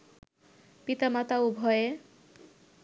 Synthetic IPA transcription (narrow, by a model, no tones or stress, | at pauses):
pit̪amat̪aubʱɔje